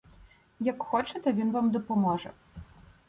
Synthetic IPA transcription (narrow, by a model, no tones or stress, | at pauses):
jɐkxɔt͡ʂɐt̪ɐvʲinvamd̪ɐpɔmɔʐɐ̰